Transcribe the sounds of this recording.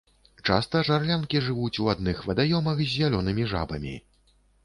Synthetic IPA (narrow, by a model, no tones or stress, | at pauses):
t͡ʂa̰st̪ɐʐarlʲankʲiʐɨvut͡sʲuad̪nɨxvɐd̪ajɔmɐxzʲːalʲɔnɨmʲiʐa̰bɐ̰mʲḭ